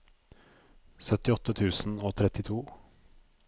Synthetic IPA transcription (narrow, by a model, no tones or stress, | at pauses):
sœt̪ɪɔt̪ːət̪ʰʉːsn̩oːt̪ʰɾɛt̪ːɪt̪ʰuː